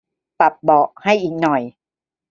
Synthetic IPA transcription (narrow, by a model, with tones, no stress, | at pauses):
pa˨˩p̚bɔː˨˩ʔha˥˩jʔiː˨˩k̚nɔ˨˩j